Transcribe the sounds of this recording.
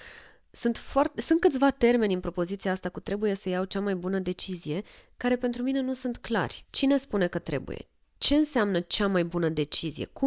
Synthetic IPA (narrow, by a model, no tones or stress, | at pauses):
sunt̪foart̪esunt̪̚kɨt̪sʲvat̪e̞rme̞nʲɨnpɾo̞po̞zit̪siaast̪akut̪ɾe̞buje̞səjawt͡ʃamajbunəd̪e̞t͡ʃizije̞kaɾe̞pe̞nt̪ɾumine̞nusunt̪kla̰rʲt͡ʃine̞spune̞kət̪ɾe̞̰bṵje̞̰ | t͡ʃe̞ɨnsamnət͡ʃamajbunəd̪e̞t͡ʃizḭje̞̰ku